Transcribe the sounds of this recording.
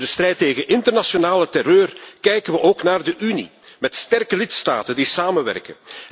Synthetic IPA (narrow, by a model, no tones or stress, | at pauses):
dəst̪rɛjtːeːɣənʔɪntərnasjonaːlətɛrøːrkɛjkənʋəʔoːknaːrdəʔynḭ | mɛtstɛrkəlɪtsta̰ːtəndisaːmənʋɛ̰rkən